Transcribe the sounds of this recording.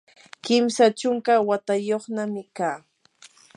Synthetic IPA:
kɪmsat͡ʃʊŋkawat̪ajoχnamɪkaː

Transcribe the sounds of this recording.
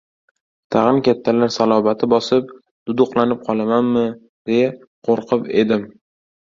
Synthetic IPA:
t̪ʰaʁɨnkʲat̪ʰːalaɾsalˠɒvat̪ʰɪbɒsɪp̚ | d̪̥ʊd̪ʊqlˠanɪp̚qʰɒlˠamanmɪ | d̪̥eja | qʰoɾqʰɨpe̞d̪ɪm

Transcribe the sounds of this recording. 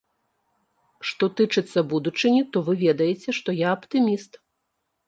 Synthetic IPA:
ʂt̪ɔt̪ɨt͡ʂɨt̪sːɐbud̪ut͡ʂɨnʲit̪ɔvɨvʲɛd̪ɐjɛt͡sʲɛʂt̪ɔjaɐpt̪ɨmʲist̪

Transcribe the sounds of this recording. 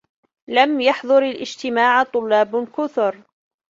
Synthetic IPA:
lamjɑħðˤʊɾalʔɪd͡ʒt̪ɪmaːʕt̪ˤʊlːɑːbkʊθʊɾ

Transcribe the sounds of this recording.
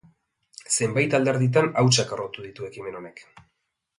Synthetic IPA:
se̞mbajt̪ald̪e̞ɾðit̪anawt͡ʃakarot̪uðit̪ue̞kime̞no̞ne̞k

